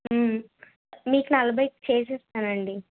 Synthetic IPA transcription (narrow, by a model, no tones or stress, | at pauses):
m | miːkunɐlɐbɐjkt͡ʃe̞ːsɛːst̪aːnɐɳɖi